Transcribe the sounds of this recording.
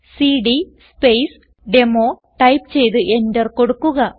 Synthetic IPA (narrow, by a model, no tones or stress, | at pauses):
siɖispejs | ɖe̞moː | ʈɐjpt͡ɕe̞jt̪ɨʔe̞ndɐrko̞ɽukːuɣɐ